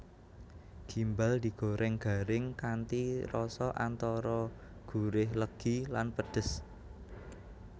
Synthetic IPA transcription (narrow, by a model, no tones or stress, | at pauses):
ɡ̥imbald̪̥i̤ɡ̥o̤ɾʔɛŋɡ̥a̤ɾɪŋkant̪iɾɔsɔʔant̪ɔɾɔ | ɡ̥ṳɾɪhləɡ̥ilanpəɖ̥ə̤s